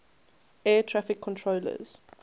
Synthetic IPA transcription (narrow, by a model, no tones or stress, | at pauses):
ɛːtʰɹafɪkʰːɔ̃ntʰɹoːlə̰z̥